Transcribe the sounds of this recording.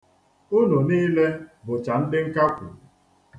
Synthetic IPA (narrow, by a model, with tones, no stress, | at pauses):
ʊ˦no˨niː˦le˦bʊ˨t͡ʃa˨n̩˦dɪ˦ŋ̩˦ka˦kʷʊ̰˨